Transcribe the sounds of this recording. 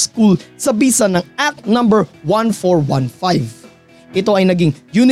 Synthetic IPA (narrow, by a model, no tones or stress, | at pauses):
skulsɐbiːsɐnɐŋʔat̪̚nɐ̃mbɛɹwɐ̃nfoɹwã̰nfajv | ʔɛt̪o̞ʔɐjnɐɡiŋjun